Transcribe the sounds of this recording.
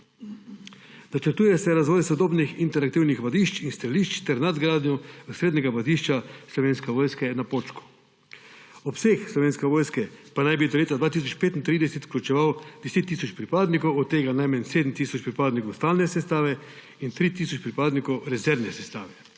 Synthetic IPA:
nat͡ʃɛɾt̪uːjɛsɛɾazʋɔːjsɔd̪oːbnixint̪ɛɾakt̪iwnixʋad̪iʃt͡ʃinst̪aliʃt͡ʃt̪ɛɾnad̪ɡɾaːd̪njɔusɾeːd̪nʲɛɡaʋad̪iʃt͡ʃaslɔʋeːnskɛʋoːjskɛnapoːt͡ʃku̥ | ɔpsexslɔʋeːnskɛʋoːjskɛpanajbid̪ɔleːt̪ad̪ʋaːt̪is̬ɔt͡ʃpeːt̪int̪ɾiːd̪ɛsɛt̪klʲut͡ʃɛʋawd̪ɛseːt̪ːisɔt͡ʃpɾipaːd̪nikowɔt̪ːeːɡanajmɛnseːd̪m̩t̪isɔt͡ʃpɾipaːd̪nikowst̪alnɛsɛst̪aːʋɛ | int̪ɾit̪isɔt͡ʃpɾipaːd̪nikɔwɾɛzɛɾnɛsɛst̪aːʋɛ

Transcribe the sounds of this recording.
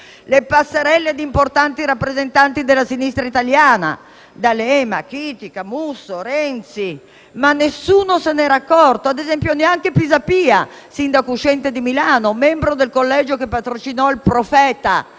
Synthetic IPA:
lepasːeɾɛlːed̪import̪ant̪iɾapːɾezent̪ant̪id̪elːasinist̪ɾait̪aljaːna̰ | d̪alɛmakiːt̪ikamusːoɾɛnt̪si | manːesːuːnosenɛɾakːɔrt̪oad̪ezɛmpjoneaŋkepizapiːa̰ | sind̪akuʃɛnt̪ed̪imilaːnomɛmbɾod̪elkolːɛːd͡ʒokepːat̪ɾot͡ʃinɔilpɾofɛːt̪a̰

